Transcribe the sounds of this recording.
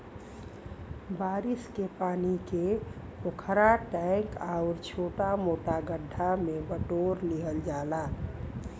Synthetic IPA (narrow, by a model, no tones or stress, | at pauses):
baːɾɪskepaːnike | pokʰəɾaʈɛŋkaʊɾt͡ʃʰoːʈamoːʈaɡəɖʱːamẽbəʈoːɾniɦəld͡ʒaːlaː